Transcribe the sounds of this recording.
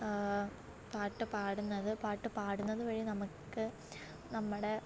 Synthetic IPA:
paːʈːɨpaːɽunːɐðɨpaːʈːɨpaːɽunːɐðɨʋɐɻinɐmukːɨ | nɐmːɐɽe̞

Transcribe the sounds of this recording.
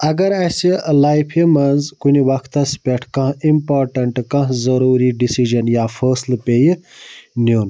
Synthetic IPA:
ɐɡɐɾɐsilaːjpʰimɐnzkuniʋɐkʰt̪ɐspʲeʈʰkɐ̃ɦimpaːɾʈɐɳʈkɐ̃ɦzɐɾuːɾiɖisiʒɐnjaːfʰəːslpej | nun

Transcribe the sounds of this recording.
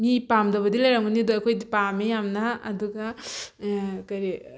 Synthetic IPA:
mipamdɐβɐdilajɾaŋɯnidoɐkʰojdipamejamnaɐduɡa | kɐɾi

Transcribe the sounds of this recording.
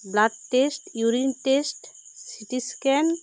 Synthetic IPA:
bladːesʈjuɾinʈesʈsiʈiskɛn

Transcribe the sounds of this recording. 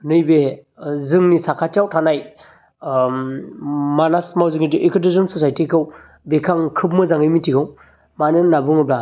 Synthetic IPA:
nɯjbe | zɯŋnisakʰatjawtʰanaj | manasmawzɯŋitiʔekʰɯdɯzɯnsɔsajtikʰɯw | bekʰaŋkʰɯp̚mɯzaŋɯjmitʰikʰɯw | manɯnabɯŋɯbla

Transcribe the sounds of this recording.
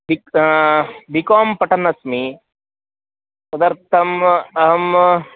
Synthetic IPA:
bik | b̪ʱikoːmpɐʈɐnɐsmi | sɐd̪ɐɾt̪ʰɐmɐɦɐm

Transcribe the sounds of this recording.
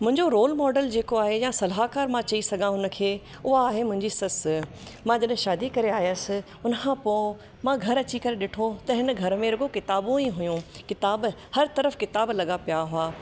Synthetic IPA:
mʊ̃ɦɪ̃ɲd͡ʑoɾoːlmɔːɖəld͡ʑeːkoaːɦejãsɐlɦakaːɾmãt͡ɕɐisɐɡʱãɦʊnə̆kʰeː | ʊɦaaːɦemʊ̃ɦɪ̃ɲd͡ʑisɐs | mãːd͡ʑɐɗɪ̃ʃaːd̪ikɐɾeaːjəsɪ̆ | ʊnəkʰãpõ | mãɡʱɐɾɐt͡ɕikɐɾeɗɪʈʰot̪ɐɦɪnə̆ɡʱɐɾmẽɾɐɡokɪt̪aːbõiɦʊjũkɪt̪aːb | hɐɾt̪ɐɾəfkɪt̪aːblɐɠapijaɦʊaː

